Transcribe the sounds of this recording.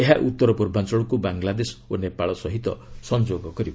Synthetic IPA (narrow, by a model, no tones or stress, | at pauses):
eɦaʔut̪ːɔɾɔpuɾbʱant͡ʃɔɭɔkubaŋɡlad̪esɔ̥onepaɭɔsɔɦit̪ɔ̰sɔnd͡ʒoɡɔkɔɾibɔ